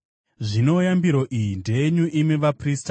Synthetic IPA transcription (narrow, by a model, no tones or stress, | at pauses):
ʐino̞jambiɾo̞ʔijinde̞eɲuʔimeʋaprista